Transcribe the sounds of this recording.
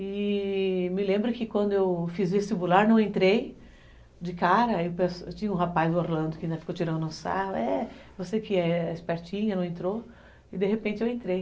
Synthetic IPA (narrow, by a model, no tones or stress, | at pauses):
ɪ | mɪlẽmbɾʊkɪkwɐ̃nd̪ʊewfizvest͡ʃibulaɾnɐ̃w̃ẽnt̪ɾej | d͡ʒɪkaɾɐewpeset͡ʃĩɲɐũɦapajzʊoɾlɐ̃nd̪ʊkɪaĩd̪ɐfi̥kowt͡ʃiɾɐ̃nd̪ʊnʊ̃sa̰ɦʊɛvosekɪɛɪspɛɾt͡ʃĩɲɐnɐ̃w̃ẽnt̪ɾo | ɪd̪eɦepẽnt͡ʃɪewẽnt̪ɾej